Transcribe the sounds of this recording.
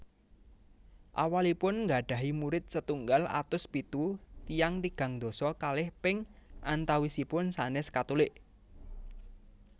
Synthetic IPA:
ʔa̰walipʊnŋɡa̤ɖ̥a̤ɦimuɾɪt̪̚sət̪uŋɡala̰t̪ʊspit̪ut̪ijaŋt̪iɡ̥ä̤ŋd̪̥o̤sɔkalɪhpɪŋʔant̪awisipʊnsanɪskat̪ulɪʔ

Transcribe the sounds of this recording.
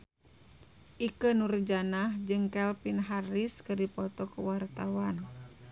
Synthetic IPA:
ʔikənurd͡ʒanahd͡ʒɨŋkɛlpinɦariskɨrdipɔt̪ɔkəwart̪awan

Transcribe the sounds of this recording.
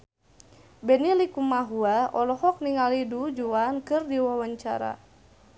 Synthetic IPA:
bɛnilikumaɦuaɔlɔhɔk̚niŋalidud͡ʒuankɨrdiwawaɲt͡ʃa̰ɾa̰

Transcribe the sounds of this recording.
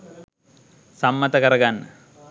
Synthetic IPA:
sɐmːɐt̪ɐkɐɾɐɡanːɐ

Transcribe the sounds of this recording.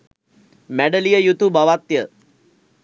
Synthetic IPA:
mæɖəlijəjut̪ubaʋat̪jə

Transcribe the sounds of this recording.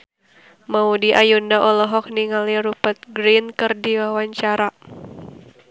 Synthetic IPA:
maudiʔajundaʔɔlɔɦɔk̚niŋaliɾupət̪̚ɡɾinkɨrdiwawaɲt͡ʃaɾa

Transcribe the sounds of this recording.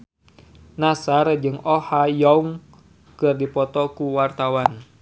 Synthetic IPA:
nasard͡ʒɨŋɔhajɔuŋ | kɨrdipɔt̪ɔkuwart̪awan

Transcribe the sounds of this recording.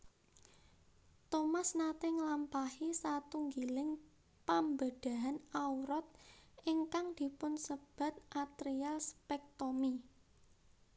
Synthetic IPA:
t̪omasnat̪ɪŋlampahisat̪uŋɡilɪŋ | pambəd̥a̤ɦanauɾɔt̪̚iŋkaŋd̪̥i̤pʊnsəb̥a̤t̪̚ʔat̪ɾialspɛk̚t̪omi

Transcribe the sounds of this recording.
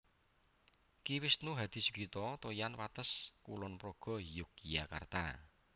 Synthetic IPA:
kiwɪsnuɦad̪̥i̤su̥ɡ̥it̪ɔt̪ojanwat̪əskulɔnpɾoɡ̥ɔ̤jukijaka̰rt̪a̰

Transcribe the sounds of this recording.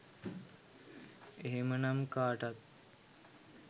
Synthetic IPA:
eɦemənamkaːʈat̪̚

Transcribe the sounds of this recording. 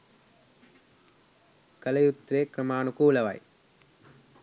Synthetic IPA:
kɐlɐjut̪ɾeːkɾɐmaːnukuːlɐʋa̰ːj

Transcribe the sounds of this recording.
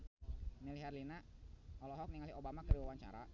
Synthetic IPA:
niliɦɛrlinaɔlɔɦɔk̚niŋaliobamakədiwawaɲt͡ʃa̰ɾa

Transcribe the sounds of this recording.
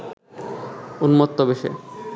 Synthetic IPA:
unmot̪ːobeʃḛ

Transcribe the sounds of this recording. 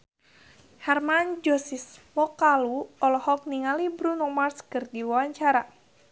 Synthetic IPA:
hɛrmand͡ʒɔsismɔkaluɔlɔhɔk̚niŋalibɾunɔmarskərdiwawaɲt͡ʃaɾa

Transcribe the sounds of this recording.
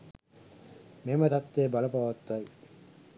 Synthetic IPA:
memɐt̪ɐt̪ːeːbɐlɐpɐʋɐt̪ːuɐj

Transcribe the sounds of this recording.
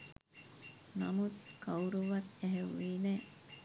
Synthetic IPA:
nɐmut̪kɐuɾuʋɐt̪eɦeʋːiːne

